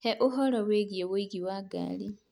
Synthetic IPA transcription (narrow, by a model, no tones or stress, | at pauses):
heʔuɦoloweɡiewuiɡiwaɡa̰ːli